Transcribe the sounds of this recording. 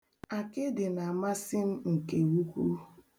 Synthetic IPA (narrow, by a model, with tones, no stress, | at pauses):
a˨kɪ˦dɪ˨na˨ma˦sɪ˦m̩˦ŋ̩˨ke˨wu˦kʷu˦